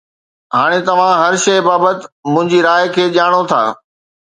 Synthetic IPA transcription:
ɦaːɽ̃et̪ɐʋ̤ãɦɐɾʃɐbaːbət̪ɪmʊ̃ɦɪ̃ɲd͡ʑiɾaːɪkʰeːʄaːɽ̃ot̪ʰa̰ː

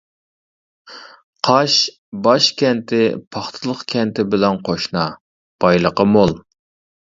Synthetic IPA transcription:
qʰɑʃ | bɑʃkʲʰɛnt̪ʰɪpʰɑχt̪ʰɨlˠəχkʲʰɛnt̪ʰɪbɪlɛnqʰoʃnɑ | b̥ɑjlˠəqɑmolˠ

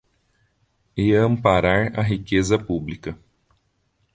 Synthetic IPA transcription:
eɐ̃mpaɾaɾɐ̰ɦikezɐpublikɐ

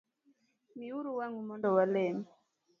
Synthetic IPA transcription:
miuɾuwaŋumɔndɔwalɛmi

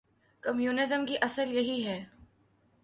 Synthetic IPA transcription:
kɐmjuːnɪzəmkiʔɐsəɾjɐɦiɦɛː

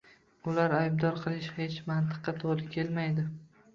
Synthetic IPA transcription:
ʊlaɾajbd̪ɒɾqʰɨlˠɪʃhe̞t͡ʃmant̪ɨ̥qːɑt̪ʰoɾˠɪkʲʰe̞lmajd̪ɪ

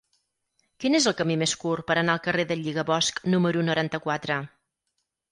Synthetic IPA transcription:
kinezəlˠkəmimeskurpəɾənaəlˠkəreðəʎiɣəβɔsknuməɾunuɾant̪əkwat̪ɾə

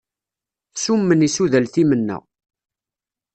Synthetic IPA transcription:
sumːənisuðəlθimənːæ̰

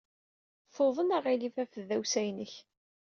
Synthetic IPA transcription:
foðˤənaʁilifæfəðæwsæjnəç

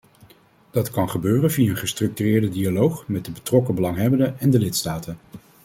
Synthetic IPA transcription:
d̥ɑtkɑnχəbøːrənvijaənχəstrɵk̚tyrɪːɹdədialowχmɛd̚dəbətrɔkəbəlɑŋɦɛbəndəɛndəlɪtstaːtən

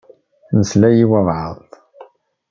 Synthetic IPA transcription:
nəslæjiwəvʕə̰ðˤ

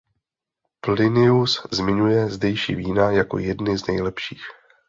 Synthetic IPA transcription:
plɪnɪuszmɪɲujɛzdɛjʃḭːviːnajako̞̰jɛdnɪznɛjlɛpʃiːx

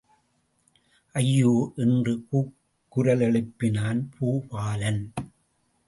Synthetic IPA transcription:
ʔɐjːoːʔɪndrɯpuːkkː | ʊɾɐlɛɭɯpːɪnaːnpʰuːpaːlɐn

